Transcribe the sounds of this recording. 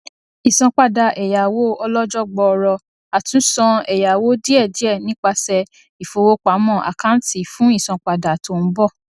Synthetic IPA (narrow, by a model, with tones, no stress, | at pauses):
i˨sɔ̃˧k͡pa˧da˨ʔɛ˨ja˨wo˨˦ɔ˧lɔ˦d͡ʒɔ˦ɡ͡bɔ˧ɾɔ˧ | a˨tũ˨˦sɔ̃˧ɛ˨ja˨wo˨˦di˦ɛ˦˨di˨˦ɛ˦˨nĩ˦k͡pa˧sɛ˧ | i˨fo˧wo˦k͡pa˨˦mɔ̃˦˨ʔa̰˨kã˨˦n̩˦ti˦˨fũ˦i˦˨sɔ̃˧k͡pa˧da˨to˧˨n̩˦bɔ˦˨